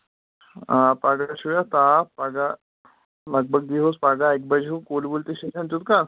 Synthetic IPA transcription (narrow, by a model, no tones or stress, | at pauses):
aːpaɡaʃujat̪aːpaɡa | lɐɡ̚bʱɐɡ̚d̪iɦospaɡaek̚bɐd͡ʒʱũkoːlbult̪iʃeʃʰɐ̃nt͡ʃut̪ka